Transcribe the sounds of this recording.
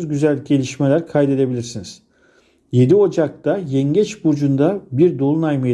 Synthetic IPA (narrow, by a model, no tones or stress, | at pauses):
zɟyzælʲɟe̞lʲiʃmelʲæɾkʰajd̪e̞d̪e̞bilʲiɾsiniz̥ | je̞d̪io̞d͡ʒak̚t̪ajɛɲɟɛt͡ʃbuɾd͡ʒund̪abiɾd̪o̞lˠunajmɯj